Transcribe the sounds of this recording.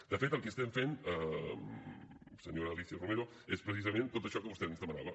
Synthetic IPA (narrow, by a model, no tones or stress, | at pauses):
d̪̥əfet̪əlˠkeəst̪ɛɱfenə | səɲoɾəlisiərumeɾo | espɾəsizəmẽnt̪ot̪əʃɔkəβust̪ɛznɛst̪əməna̰βə